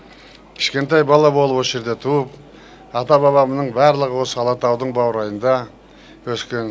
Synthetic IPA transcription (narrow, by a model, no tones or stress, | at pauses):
kʲʰɪ̥ʃkʲe̞nt̪̬ɑjbɑlˠɑbo̞lˠəpwosʒe̞ɾd̪et̪ʰuəp̚ | ɑt̪ɑbɑβɑmənəɴbæɾlˠəʁəwo̞səɑlˠɑt̪ɑwd̪əɴbɑwɾɑjənd̪ɑ | wɵskʲen